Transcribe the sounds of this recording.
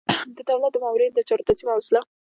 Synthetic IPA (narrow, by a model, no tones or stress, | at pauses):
d̪əd̪awlat̪̚d̪əmawɾind̪ət͡ʃɑɾot̪at͡s̪imawsɪla